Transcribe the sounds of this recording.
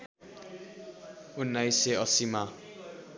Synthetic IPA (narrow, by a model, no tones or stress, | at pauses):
unːajseʌsima